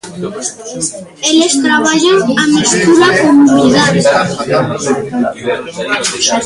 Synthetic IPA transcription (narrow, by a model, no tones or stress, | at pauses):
elest̪ɾaβaʎaŋamist̪uɾakomuniðaðið